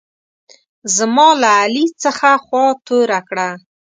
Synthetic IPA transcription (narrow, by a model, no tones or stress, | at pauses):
zmɑlaːlit͡səxaxwɑt̪oɾakɽa